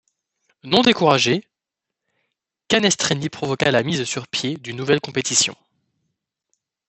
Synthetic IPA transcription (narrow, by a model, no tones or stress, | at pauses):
nɔ̃d̪ekuʁaʒe | kanɛst̪χenipχɔvɔkalamizsyʁpjed̪ynːuvɛlkɔ̃pet̪isjɔ̰̃